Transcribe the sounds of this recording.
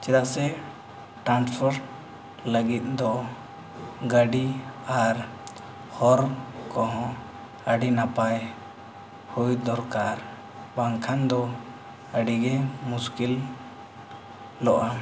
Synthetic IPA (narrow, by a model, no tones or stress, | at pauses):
t͡ʃɛɾaʔsɛ | ʈanspʰɔɾ | ləɡit̪̚ˀd̪ɔ | ɡəɖiaɾ | hɔɾkɔ̃ɦɔ̃ | əɖinapaj | hujd̪ɔɾkaɾ | baŋkʰand̪ɔ | əɖiɡɛmuskil | ɔʔa